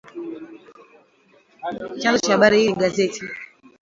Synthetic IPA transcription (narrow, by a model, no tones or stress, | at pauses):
t͡ʃãnzɔt͡ʃaaɓaɾihiiɡazɛtʰi